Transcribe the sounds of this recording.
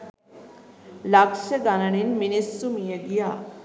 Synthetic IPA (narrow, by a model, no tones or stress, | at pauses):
lakʂəɡanəɳ̃inminisːumijeɡija